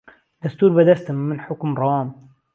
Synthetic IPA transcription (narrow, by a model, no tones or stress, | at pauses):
d̪̥ast̪uːɾbad̪ast̪ːɪnħʊkmɾˤɑːm